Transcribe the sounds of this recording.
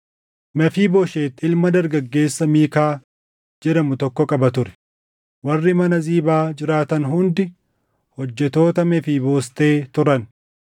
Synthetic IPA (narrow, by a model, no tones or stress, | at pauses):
mɛfiːboːʃeːt̪ːɪlmɐd̪ɐɾɡɐɡːe̞ːsːɐmiːkaː | d͡ʒɛd̪ɐmʊt̪ɔkːɔkʼɐbɐt̪ʊɾɛ̥ | wɐrːɪmɐnɐziːbaːd͡ʒɪɾaːt̪ɐnɦʊnd̪ɪ | hɔd͡ʒːɛt̪o̞ːt̪ɐmɛfiːboːst̪e̞ːt̪ʊɾɐn